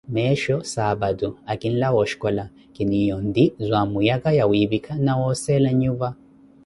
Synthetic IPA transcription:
mɛʃɔsabaduakʼinlawɔʃkɔla | kʼinijɔnd̪izʷamujakajawiβikʰanawɔsɛlaɲuva

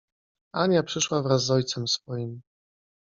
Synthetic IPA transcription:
aɲapʂɘʂwavɾazːɔjt̪sɛmsfɔjim

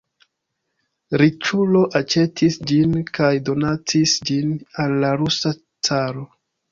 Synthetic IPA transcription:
ɾit͡ʃulo̞ʔat͡ʃe̞tʰisd͡ʒinkajdo̞nat͡sisd͡ʒinalːaɾusa | t͡saɾo̞

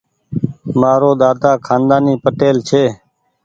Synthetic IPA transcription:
maːɾoːd̪aːd̪aːkʰaːnd̪aːniːpəʈeːlt͡ʃʰeː

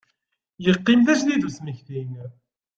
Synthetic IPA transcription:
jəqːimθæʃðiðusməçθin

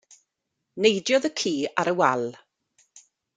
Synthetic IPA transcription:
nejdjɔðəkʰiːaɾəwalˠ

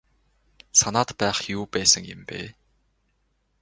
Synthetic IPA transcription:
sanaːt̪pæːχjuːpæːsə̆ŋjə̰̆mpḛː

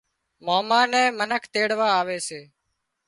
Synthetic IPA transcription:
moːmaːnɛ̃ːmənəkʰt̪eːɽʋaːaːʋeːseː

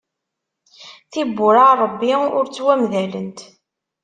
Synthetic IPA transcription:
θibːʊɾaɾˤəbːiʊɾt͡sːwæmðælənt̪

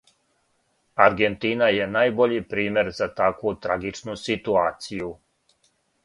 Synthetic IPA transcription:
aɾɡent̪inaje̞naːjboʎipɾiːme̞ɾzat̪akut̪ɾaɡit͡ʃnusit̪uaːt̪siju

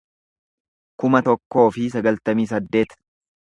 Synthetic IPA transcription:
kʊmɐt̪ɔkːo̞ːfɪs̬ɐɡɐlt̪ɐmiːs̬ɐd̪ːe̞ːt̪

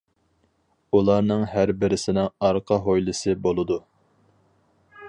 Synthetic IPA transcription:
ulˠɑɾnɨŋɦæɾbɪɾɪsɪnɪŋɑɾqʰɑɦojlˠɨsɨbolˠɨd̪u

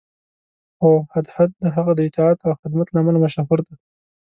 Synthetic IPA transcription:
xohad̪hat̪̚d̪əɦaɣad̪əɪt̪ɑɑt̪awxɪd̪mat̪lamanamaʃaɦʊɾd̪a

